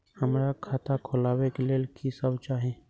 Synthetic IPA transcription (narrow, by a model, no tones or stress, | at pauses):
həmɾakʰaːt̪ʰakʰolaːwekelelkʰisəbt͡ʃaɦɛ̃ː